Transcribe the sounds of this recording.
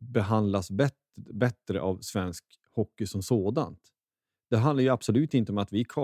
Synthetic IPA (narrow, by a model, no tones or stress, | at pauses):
bɛɦand̪lasbɛ | bɛt̪ɾəʔavsvɛnsk | hɔkːɪsɔmsoːd̪a̰nt̪ | d̪̥ɛɦand̪aɾjɵab̥sɔlʉ̟ːt̪ɪnt̪əɔmat̪vɪkʰɑ